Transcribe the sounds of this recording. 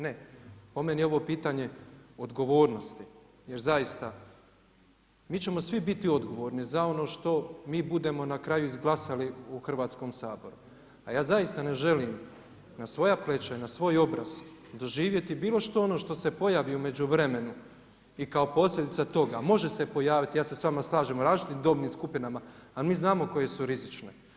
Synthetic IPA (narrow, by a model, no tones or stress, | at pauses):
ne̞po̞menio̞ʋo̞piːt̪aɲe̞od̪ɡo̞ʋo̞ːɾno̞st̪i | je̞ɾzajist̪a | miːt͡ɕe̞mo̞sʋibit̪io̞d̪ɡo̞ʋo̞ːɾnizao̞no̞ːʃt̪o̞miːbud̪e̞mo̞nakɾajuizɡlˠasaliuxr̩ʋaːt̪sko̞ːmsaːbo̞̰ɾu | ajaːzajist̪ane̞ʒe̞lim | nasʋo̞japle̞t͡ʃainasʋo̞ːjo̞bɾa̰z̥d̪o̞ʒiːʋje̞t̪ibiːlo̞ʃt̪o̞ono̞ːʃt̪o̞se̞po̞jaːʋiume̞d͡ʑuʋɾe̞me̞nu | ikao̞po̞slʲe̞d̪it̪sat̪o̞ɡamo̞ʒe̞se̞po̞jaːʋit̪ijaːsesʋamaslˠaːʒemoɾaːzt͡ʃit̪imd̪o̞bniːmskupinamaːlmiːznaːmo̞ko̞je̞suɾizit͡ʃne̞